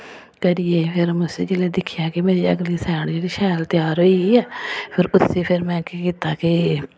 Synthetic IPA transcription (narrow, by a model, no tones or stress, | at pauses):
kəɾijeːpʰɪɾmʊsḛːd͡ʒelẽːd̪ɪkʰːɪjaːkɪmeːɾiːəɡliːsɛːɳd͡ʒeːɽiːʃɛːlt̪jaːɾɦoːiːɛːpʰɪɾʊsʰeːpʰɪɾmɛ̃ːkekiːt̪aːkɪ